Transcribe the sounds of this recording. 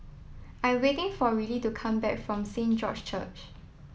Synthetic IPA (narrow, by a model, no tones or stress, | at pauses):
ʔãɪ̃mwetɪ̃ŋfɔɹilitukʰãmbɛkfɹɔ̃msẽnd͡ʒɔt͡ʃt͡ʃʰə̰t͡ʃ